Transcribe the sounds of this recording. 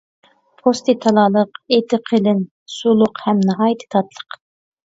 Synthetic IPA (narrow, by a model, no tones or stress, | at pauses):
pʰost̪ɨt̪ʰɑlˠɑːlˠəqet̪ʰɪqʰəlɪn | sulˠʊqhɛmnɨɦɑːjit̪ʰɨ̥t̪ʰɑt̪lˠə̥q